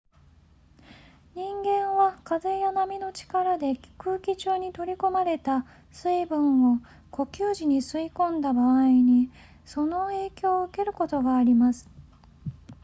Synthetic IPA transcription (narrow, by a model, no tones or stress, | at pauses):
ɲĩŋɡẽ̞ɰ̃βakaze̞janamʲino̞t͡ɕi̥kaɾad̪e̞kɯːkʲit͡ɕɨːɲ̟it̪o̞ɾʲiko̞maɾe̞t̪a | sɨibɯ̟̃ɰo | ko̞kʲɨːʑiɲ̟isɨikõ̞nd̪abaːiɲ̟i | so̞no̞e̞ːkʲo̞ːɯ̟ke̞ɾɯ̟ko̞t̪o̞ɡaːɾʲimasɨ̥